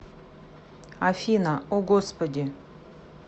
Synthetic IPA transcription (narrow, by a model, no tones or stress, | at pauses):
afʲinaoɡospɐd̪ʲɪ